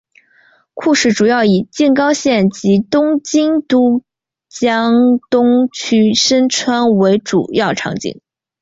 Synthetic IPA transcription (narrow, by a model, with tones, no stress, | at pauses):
kʰu˥˧ʂɻ̩˥˩ʈ͡ʂu˨˩jɑ˥˩ʊi˨˩t͡ɕi˥˩nkɑ˥ʊɕjɛ˥˩nt͡ɕi˧˥t̪ʊ˥ŋt͡ɕi˥ŋt̪u˥ | t͡ɕjɑ˥ŋt̪ʊ˥ŋt͡ɕʰy˥ʂə˥nʈ͡ʂʰwa˥nwe˧˥ɪʈ͡ʂṵ˨˩jɑ˥˩ʊʈ͡ʂʰɑ̰˧˥ŋt͡ɕḭ˥˩ŋ